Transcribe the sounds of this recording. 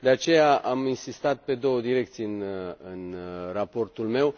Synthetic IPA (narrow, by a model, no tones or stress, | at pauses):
d̪e̞at͡ʃe̞jaʔaminsist̪at̪̚pe̞d̪o̞wəd̪iɾe̞k̚t̪sijɨnɨnrapo̞rt̪ulme̞w